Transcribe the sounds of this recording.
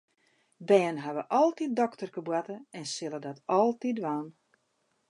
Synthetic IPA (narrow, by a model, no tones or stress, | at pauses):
bɛːnɦaʋəʔɔlˠtit̚dɔktərkəbwatəɛnsɪlˠədɔtɔlˠtidʋaːn